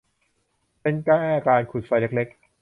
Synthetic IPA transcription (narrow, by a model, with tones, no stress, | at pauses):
pe˧nkɛː˥˩kaː˧nkʰu˨˩t̪̚fa˧jle˦˥k̚le˦˥k̚